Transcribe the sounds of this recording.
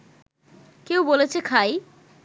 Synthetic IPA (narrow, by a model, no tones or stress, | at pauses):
kewbolet͡ɕʰekʰaj